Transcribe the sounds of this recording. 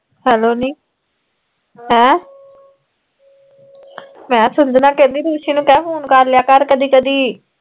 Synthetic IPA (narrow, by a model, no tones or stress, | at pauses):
hɛːloːniː | ɦɛ̃ː | mɛ̃ːsʊnd̪nãːkẽːnd̪iːɾuːʃiːnũːkɛːɦuːnkəɾlɪjaːkəɾkəd̪iːkəd̪iː